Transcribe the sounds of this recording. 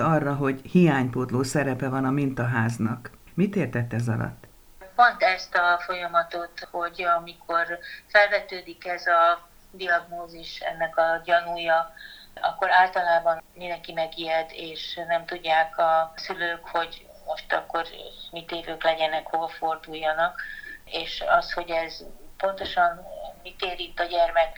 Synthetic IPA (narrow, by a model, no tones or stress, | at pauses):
ɒrːɒɦo̞ɟhijaːɲpoːt̪loːsɛɾɛpɛvɒnɒmint̪ɒɦaːznɒ̰k | mit̪eːrt̪ɛt̪ːɛzɒ̰lɒ̰t̪ː | po̞nt̪ɛst̪ɒfo̞jɒmɒt̪o̞t̪ho̞ɟɒmikʰorfɛlvɛt̪øːd̪ikɛzɒ | d̪iɒɡnoːziʃɛ̰nːɛkɒɟɒnuːjɒɒkːoɾaːlt̪ɒlaːbɒnmind̪ɛŋkimɛɡiɛd̪eːʃnɛmt̪uɟːaːkɒsyløːkho̞ɟ | mo̞ʃt̪ɒ̰kːo̞rmit̪eːvøːklɛɟɛnɛkho̞vɒfo̞rd̪ujːɒnɒkeːʃɒsho̞ɟɛzpo̞nt̪o̞ʃɒnmit̪eːɾint̪ɒɟɛrmɛk